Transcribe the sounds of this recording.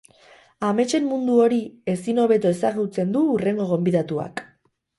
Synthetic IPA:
ame̞t͡ʃe̞mːund̪uo̞ɾie̞sino̞βe̞t̪oe̞saɣut͡se̞nd̪uːre̞ŋɡo̞ɣ̞o̞mbiðat̪ua̰k

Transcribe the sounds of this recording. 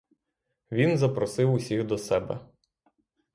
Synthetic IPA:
ʋʲinzɐpɾɔsɪwʊsʲiɣd̪ɔsɛbɛ̰

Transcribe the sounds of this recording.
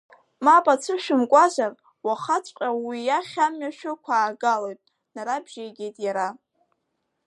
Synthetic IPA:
mapʼat͡sʷʰɨʃᶣʊmkʷʼazʷar | waχat͡sʷʼqʲʼawijaχʲamɥaʃᶣʊkʷʰaːɡalojtʼ | naɾabʒ̥ejɡʲejtʼjaɾa

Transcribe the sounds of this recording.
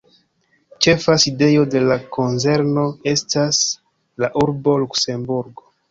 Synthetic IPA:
t͡ʃe̞faside̞jo̞de̞lakʰo̞nze̞ɾno̞e̞stas | laʔuɾbo̞lukse̞mbuɾɡo̞

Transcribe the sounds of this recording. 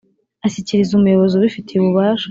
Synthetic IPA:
aʃiciɾizumujo̞βo̞zuβifitʰiuβuβaːʃa

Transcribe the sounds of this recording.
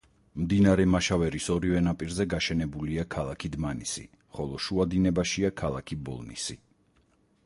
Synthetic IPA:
md̪inaɾɛmaʃavɛɾisɔɾivɛnapʼiɾzɛɡaʃɛnɛbuliakʰalˠakʰid̪manisḭ | χɔlˠɔʃuad̪inɛbaʃiakʰalˠakʰibɔ̰lˠnḭsi

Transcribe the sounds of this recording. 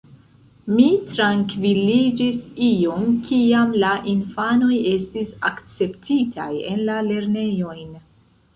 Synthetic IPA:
mitɾaŋkvilid͡ʒisiomkʰiamlaʔinfano̞je̞stisakt͡se̞ptʰitʰa̰je̞̰nlale̞ɾne̞jo̞jn

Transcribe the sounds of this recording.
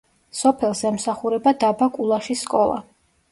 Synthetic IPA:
sɔpʰɛlˠsɛmsaχuɾɛbad̪abakʼulˠaʃiskʼɔlˠa̰

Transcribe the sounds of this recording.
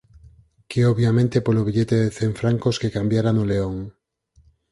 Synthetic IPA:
keoβjamẽnt̪epoloβ̞iʎet̪eðeθeɱfɾaŋkoskekambjaɾanoleoŋ

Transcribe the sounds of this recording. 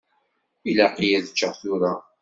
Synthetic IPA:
ilæqijæðət͡ʃːəʁθʊɾa

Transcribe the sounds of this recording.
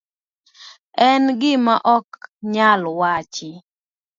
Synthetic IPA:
ɛnɡɪmaʔɔkɲalwat͡ʃɪ

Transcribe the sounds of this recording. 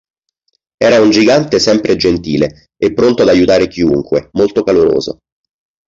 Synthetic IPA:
ɛːɾaund͡ʒiɡant̪esɛmpɾʔed͡ʒent̪iːle | epːɾont̪oad̪ajːut̪aːɾekiṵŋkwemolt̪okaloɾo̰ːzo̰

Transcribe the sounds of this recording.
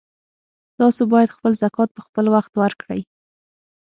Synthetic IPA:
t̪ɑsobɑjad̪xpəlzakɑt̪̚pəxpəlwaxt̪waɾkɽə̰j

